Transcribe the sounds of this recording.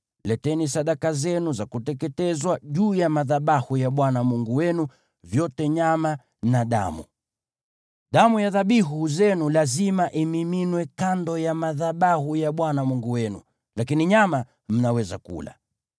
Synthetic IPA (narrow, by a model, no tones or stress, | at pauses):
lɛtɛnisaɗakazɛnuzakutɛkɛtɛzwaʄuːjamaðaɓahujaɓwanamuŋɡuwɛnu | vjɔtɛɲama | naɗa̰mṵ | ɗamujaðaɓiɦuzɛnulazimaʔimiminwɛkandɔjamaðaɓahujaɓwanamuŋɡuwɛnṵ | lakiniɲama | m̩nawɛzakṵla̰